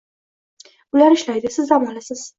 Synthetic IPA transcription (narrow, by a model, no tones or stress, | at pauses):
bʊlaɾɪʃlajd̪ɪsɪzamɒlasɪz̥